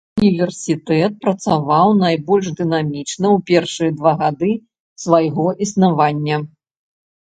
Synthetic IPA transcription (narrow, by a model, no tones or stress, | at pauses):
unʲivʲɛrsʲit̪ɛt̪̚pɾɐt̪savawnajbɔlʲʂd̪ɨnamʲit͡ʂnɐwpʲɛrʂɨjɐd̪vaɣad̪ɨ | svajɣɔʔisnavanʲːɐ